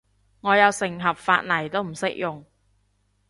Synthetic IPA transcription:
ŋɔː˨˧jɐ˨˧wsɪ˨˩ŋɦɐ˨p̚fa̰ː˧t̚lɐ˨˩jt̪o˥wm̩˨˩sɪ˥k̚jʊ˨ŋ

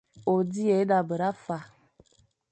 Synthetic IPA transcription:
o˨di˦e˨˦da˨bə˨ɾa˦fa˨

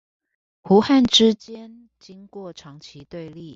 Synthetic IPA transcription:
xu˨˧˥xa˥˨nʈ͡ʂɻ̩˥˦t͡ɕjɛ˦˥n | t͡ɕi˥ŋkwɔ˥˩ʈ͡ʂʰɑ˨˥ŋt͡ɕʰi˨˦t̪we˥˧ɪli˥˨

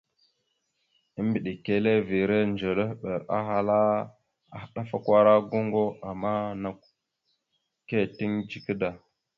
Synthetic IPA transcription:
i˦mbi˨ɗi˨ke˦le˦vi˨ɾe˦nd͡ʒə˨lə˦ɓe˨ɾa̰˦ɦa˦la˦ | a˨˦ɗa˦fa˦kʷa˦ɾa˦ɡo˦ŋɡo˦a˨mːa˦na˨k̚ | ke˦ti˦ŋd͡ʒi˨kə˦da˨

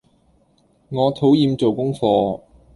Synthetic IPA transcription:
ŋɔː˨˧t̪ʰo˨˥wjiː˨˧mt͡so˨wkʊ˥ŋfɔː˧

